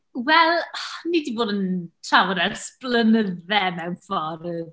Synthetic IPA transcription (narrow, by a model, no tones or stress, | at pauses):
wɛlˠnidiboːdəntʰrawəɾɛsplˠənəðɛmɛwnfɔɾð